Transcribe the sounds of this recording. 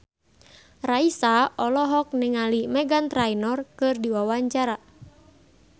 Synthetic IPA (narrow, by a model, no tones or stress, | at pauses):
raisaɔlɔɦɔk̚nɪŋalimɛɡant̪ɾainɔrkɨrdiwawaɲt͡ʃaɾa